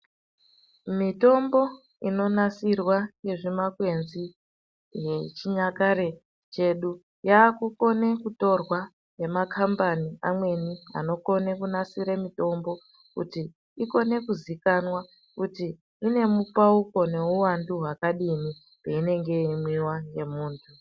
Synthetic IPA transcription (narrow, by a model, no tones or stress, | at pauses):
mito̞mbo̞ | ino̞nasirwajeʐimakwe̞nzi | jet͡ʃiɲakaɾe | t͡ʃe̞ɗu | jaːkuko̞ne̞kuto̞rwa | je̞makʰambaniamwe̞nia̰no̞ko̞nekunasiɾemito̞mbo̞ | kṵti | iko̞ne̞kuzikanwa | kutiː | ne̞mupauko̞ne̞uwanduɦwakaɗini | peine̞ŋɡe̞imwiwaŋje̞muːntʰu